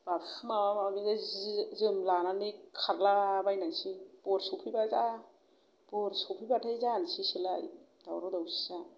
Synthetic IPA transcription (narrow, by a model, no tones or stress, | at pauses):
bapmamamamiɡazzɯmlananɯkʰaɾlabajnasib̥ɔɾsɔpʰibaza | b̥ɔɾsɔpʰibatʰajzansisilaj | dawɾɔdawsi̥sa